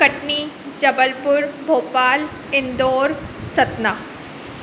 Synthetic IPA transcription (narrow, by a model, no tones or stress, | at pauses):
kɐʈniː | d͡ʒɐbəlpʊɾbʱoːpaːl | ɪ̃nd̪oːɾsɐt̪naː